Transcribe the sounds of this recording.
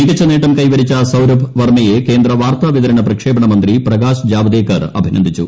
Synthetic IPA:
niːʈit͡ɕːɐneːʈːɐmkɐjʋɐɾit͡ɕːɐsɐwɾɐbʋɐrmɐjeke̞ːnd̪ɾɐʋaːrt̪aːʋid̪ɐɾɐɳɐprɐkʂeːbɐɳɐmɐnd̪riprɐɡaːsd͡ʑaːbɐd̪eːkːɐrɐ̰bʱinɐ̰nd̪ʱit͡ɕːṵ

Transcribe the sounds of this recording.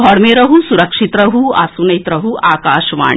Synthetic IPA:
ɡʱɔːɾmẽɾɐɦusuɾɐkʂit̪ɾɐɦua̰ːsunɐit̪ɾɐɦuʔaːkaːʃʋa̰ːɳ

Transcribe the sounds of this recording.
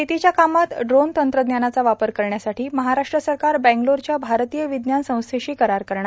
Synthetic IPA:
it̪it͡ɕjakamat̪ɖɾont̪ənt̪ɾəd̪njanat͡saʋapəɾkəɾɳjasaʈiːməɦaɾaʂʈɾəsəɾkaɾbɛ̃ŋɡloɾt͡ɕjabʱaɾt̪ijəʋid̪njansə̃w̃st̪ʰeɕiːkəɾaɾkəɾɳa

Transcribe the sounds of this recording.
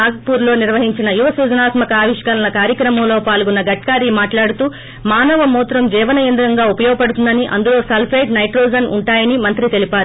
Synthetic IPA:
aːɡɐpuːɾlo̞ːniɾʋɐɦiɲt͡ʃinɐjuʋɐsuːd͡ʒɐnaːt̪mɐkɐaːʋiʃkɐlɐlɐkaːɾjɐkɾɐmɐmlo̞ːpaːlɡɔnːɐɡɐʈ̚kaːɾimaːʈlaːɽut̪uː | maːnɐʋɐmuːt̪ɾɐmd͡ʒɛːʋɐnɐjɐnd̪uɾɐŋɡaːupɐjɔːɡɐpɐɽut̪und̪ɐniʔɐ̰nd̪ulo̞ːsɐlpʰɐjʈnɐjʈɾoːd͡ʒɐnuɳʈaːjɐnimɐnt̪ɾit̪e̞lipaːɾu

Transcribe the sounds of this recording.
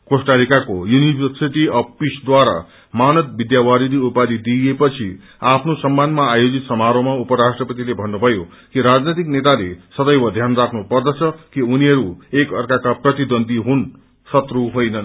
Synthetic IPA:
kosʈalikakojunibʱʌrsiʈiʌpisd̪waɾa̰ | manʌt̪̚bid̪jawaɾid̪iupad̪id̪ijepʌt͡sʰi | apʰnosʌmːanmaːjod͡zit̪sʌmaɾomaupʌɾasʈrʌpʌt̪ilebʱʌnːubʱʌjo | kiɾad͡znit̪iknet̪alḛsʌd̪ʌjwʌd̪ʱjanrakʰnupʌrd̪ʌt͡sʰʌkiuniɦʌɾuekʌrkakaprʌt̪id̪ʌnd̪iɦun | sʌt̪ruɦojnʌ

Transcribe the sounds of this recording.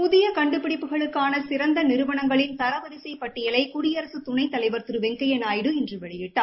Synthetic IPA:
pʊðɪjɐkɐɳɖɯpːɪɽɪpːɯɣɐɭɯkːaːnɐsɪɾɐnd̪ɐnɪɾɯʋɐɳɐŋɡɐɭɪnt̪ɐɾɐʋɐðɪsɐɪpɐʈːɪjɐlɐɪkʊɾɪjɐɾɐsɯt̪ʊɳɐɪt̪ːɐlɐɪʋɐɾt̪ɯɾɯʋɛŋɡɐjɐnaːjɪɽɯɛndrɯʋɛɭɐjɪʈːaː

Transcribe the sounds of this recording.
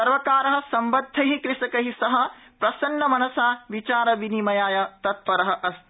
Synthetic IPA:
ɐɾʋɐkaːɾɐɦɐ̆sɐmbɐd̪ʱːɐɦikɾɪʂɐkɐɦisɐɦɐ | pɾɐsɐnːɐmɐnɐsaːʋit͡ʃaːɾɐʋinimɐjaːjɐt̪ɐt̪̚ʋɐɾɐɦɐ̆ʔɐst̪

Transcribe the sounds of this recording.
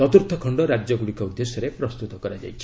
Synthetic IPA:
ɔt̪uɾt̪ʰɔkʰɔɳɖɔɾad͡ʒjɔɡuɽikɔud̪ːesjɔɾepɾɔst̪ut̪ɔkɔɾad͡ʒa̰jt͡ʃʰi̥

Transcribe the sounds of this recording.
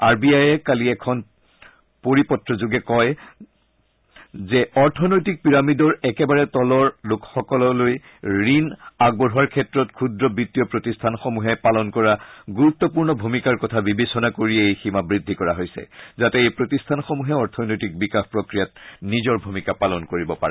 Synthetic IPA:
aɹbiajɛkaliɛkʰɔn | poɹipɔtːɹɔzuɡɛkɔj | zɛɔɹtʰɔnojtik̚piɹamidɔɹɛkɛbaɹɛtɔlɔɹlʊkxɔkɔlɔloj | ɹinaɡ̚bɔɹɦuaɹkʰɛtɹɔtkʰudɹɔbitːijɔpɹotistʰanxomuɦɛpalɔnkɔɹaɡuɹut̪ːɔpuɹnɔbʱumikaɹkɔtʰabibesɔnakoɹiɛejximabɹidʱːikɔɹaɦojsɛ̰zatɛejpɹotistʰanxɔmuɦɛɔɹtʰɔnojtik̚bikaxpɹokɹijat̚nizɔɹbʱumikapalɔnkoɹibɔpa̰ɹɛ

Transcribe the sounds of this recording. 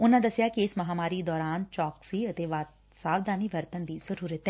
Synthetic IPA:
ʊnãːd̪əsjaːkiɪsmɐɦaːmaːɾid̪ɔːɾaːnt͡ʃɔːksiːət̪eːʋaːt̪ | saːʋd̪aːniːʋəɾt̪ənd̪iːzəɾuːɾət̪ɦɛː

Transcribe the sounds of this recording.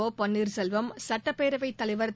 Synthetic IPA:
oːpɐɳːiːɾsɛlʋɐmsɐʈːɐpːeːɾɐʋɐɪt̪ːɐlɪʋɐɾt̪

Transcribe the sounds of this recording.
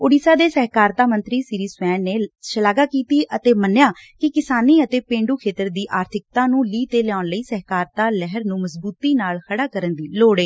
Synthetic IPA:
ʊɽiːsaːd̪eːsɛɦkaːɾt̪aːmənt̪ɾiːsɪɾiːsʋɛːnːeːʃəlaːɡaːkiːt̪iːʔət̪eːmənːjaːkɪkɪsaːniːət̪eːpẽːɳɖuːkʰeːt̪əɾd̪iːʔaːɾt̪ʰɪk̚t̪ãːnũːliːt̪eːlɛjaːʊnləiːsɛɦkaːɾt̪aːlɛɦəɾnũːməsbuːt̪iːnaːlkʰəɽaːkəɾənd̪iːloːɽeː

